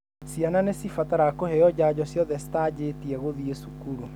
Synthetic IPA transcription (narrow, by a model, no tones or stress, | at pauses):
siananesifataɾakoheɔd͡ʑaːd͡ʑɔsjɔðɛsi̥tad͡ʑetiɛɣoðiesukuɾu